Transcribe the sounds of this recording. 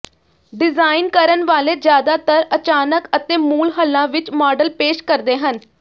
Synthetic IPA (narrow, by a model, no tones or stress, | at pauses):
ɖɪzaːɪnkəɾənʋaːleːd͡ʒjaːd̪aːt̪əɾət͡ʃaːnəkət̪eːmuːlɦəlːãːʋɪt͡ʃmɔːɖəlpeːʃkəɾd̪eːɦən